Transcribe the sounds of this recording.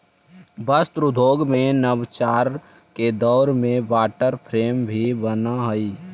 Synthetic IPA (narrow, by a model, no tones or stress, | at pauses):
bəst̪ɾʊd̪ʱoːɡmẽnəbt͡ʃaːɾ | ked̪ɔːɾmẽbaːʈəɾpʰɾeːmbʱibənaɦəiː